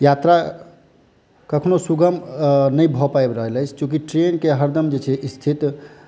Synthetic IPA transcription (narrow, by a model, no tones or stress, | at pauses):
jat̪ɾa | kəkʰnosuɡəmnəjbʱɔpaebɾəɦələjt͡ʃʰt͡ʃõk̬iʈɾenkeɦəɾd̪əmd͡ʒet͡ʃʰɛʔist̪ʰit̪